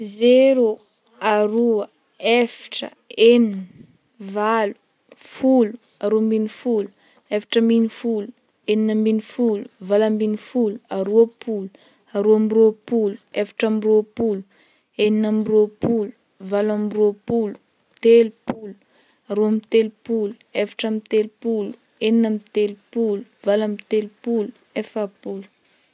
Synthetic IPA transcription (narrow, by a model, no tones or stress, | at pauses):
zeɾu | aɾuə | efḁʈ͡ʂə̰ | enin | valu̥ | fulu | aɾombinifulu̥ | efḁʈ͡ʂəminifulu | eninəminifuluvalambinifuluaɾuəpʰulu̥ | aɾoamiropuluefḁʈ͡ʂamiɾopulu̥ | eninamiropulu̥ | valamropulu̥ | t̪elupulu̥ | aɾoamit̪elupuluefḁʈ͡ʂamit̪elupulu̥ | eninəmit̪elupulu̥valamit̪elupulu | efapulu̥